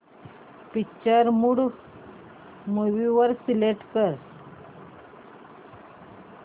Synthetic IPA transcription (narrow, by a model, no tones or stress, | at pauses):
pit͡ɕəɾmuɽ | moʋiʋəɾsileʈkəɾ